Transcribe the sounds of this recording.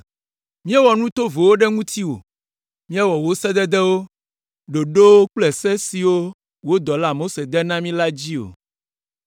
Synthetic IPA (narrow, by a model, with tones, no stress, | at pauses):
mĩ˦ɛ˦wɔ˨nũ˦t̪o˦vo˨wo˦ɖɛ˦ŋũ˦t̪i˦wo̰˨ | mĩ˦ɛ˦wɔ˨wo˦sɛ˦d̪ɛ˦d̪ɛ˦wo˦ | ɖo˨ɖo˦wo˦k͡plɛ˨sɛ˦si˨wo˦ | wo˦d̪ɔ˨la˦mo˦se˨d̪ɛ˦nã˦mĩ˦la˦d͡ʑi˦o̰˨